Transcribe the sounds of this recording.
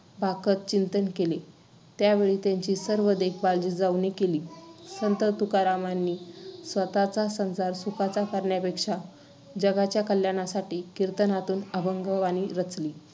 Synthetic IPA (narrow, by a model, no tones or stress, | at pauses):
bʱakət̪̚t͡ɕint̪ənkele | t̪jaʋeɭiːt̪jaɲt͡ɕiːsəɾʋəd̪ek̚bald͡ʑiːd͡zaʋnekeliːsənt̪ət̪ukaɾamanːiːsʋət̪at͡sasənsaɾsukat͡sakəɾɳjapekʂa | d͡ʑəɡat͡ɕjakəljaɽ̃asaʈiːkiɾt̪ənat̪uːnəbʱəŋɡəʋaniɾət͡sliː